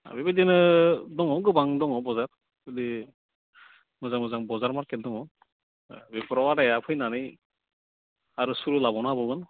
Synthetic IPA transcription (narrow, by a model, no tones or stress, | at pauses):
a̰bibidinɯdɔŋɔɡɯbaŋdɔŋɔbɔzaɹ | bidi | mɯzaŋmɯzaŋbɔzaɹmaɹkɛt̚dɔŋɔ | bipɾɔwadajapʰɯjnanɯj | aɾusuɾulabɔnabɔɡɯn